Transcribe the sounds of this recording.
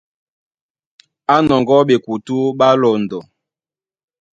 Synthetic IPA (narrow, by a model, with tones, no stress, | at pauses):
a˦nɔ˨ŋɡɔ˦ɓe˨ku˨tu˦ɓa˦lɔ˨ndɔ˨